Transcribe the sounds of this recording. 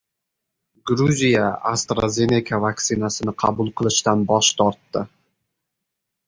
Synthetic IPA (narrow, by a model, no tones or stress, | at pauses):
ɡɾuzʲijaast̪ɾazʲe̞nʲekʰavaktsɪnasɪnɪqʰɑbʊlˠqʰɨlˠɪʃt̪anbɒʃt̪ʰɒɾt̪ːɪ